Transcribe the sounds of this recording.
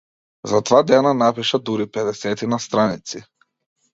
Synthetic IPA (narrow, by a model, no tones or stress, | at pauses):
zat̪vad̪ɛnanapiʃad̪uɾipɛd̪ɛsɛt̪inast̪ɾanit̪si